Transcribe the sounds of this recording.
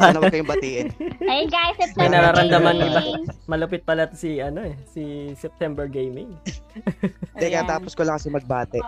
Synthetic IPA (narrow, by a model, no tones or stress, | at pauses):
anɐwkɐjʊŋbɐt̪iʔɪɐjɡajsɛt̪ɐnɐɾaɾɐnd̪ɐmanːɐbamɐlɐpɪt̪̚pɐlat̪siʔɐno̞ɛsisɛp̚t̪ɛmbɛɹɡejmɪŋ | d̪ɛkat̪aːposkolɐŋkɐsɛmɐɡ̚baːt̪ɛʔ